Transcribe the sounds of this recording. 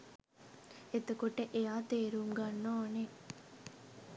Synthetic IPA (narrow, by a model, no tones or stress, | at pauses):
et̪ɐkuʈeʔejaːt̪eːɾuːmɡɐnːoːne